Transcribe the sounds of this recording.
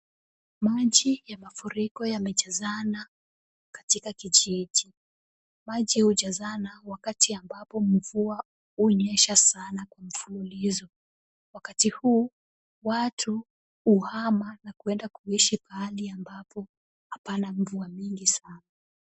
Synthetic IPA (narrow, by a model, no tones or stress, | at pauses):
maʄijamafuɾikɔjamɛʄazana | kḁtikakiʄiʄi | maʄihuʄazanawakatiambapɔm̩vua | uɲɛʃasanakwam̩fululizɔ | wakatihuː | watʰu | uhamanakuɛndakuiʃipaliambapɔ | hapanam̩vuamiŋɡisana